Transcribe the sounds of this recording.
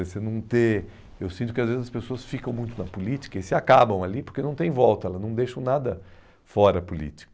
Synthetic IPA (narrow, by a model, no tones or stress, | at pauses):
esenɐ̃w̃t̪e | ewsĩnt̪ʊkɪazvezɪzɐspesoɐsfikɐ̃w̃mũj̃t̪ʊnɐpulit͡ʃi̥kɐesɪakabɐ̃w̃alipoɾkenɐ̃w̃t̪ẽj̃vɔwt̪ɐɛlɐznɐ̃w̃d̪ejʃɐ̃w̃nad̪ɐ | fɔɾɐːpulḭt͡ʃi̥kɐ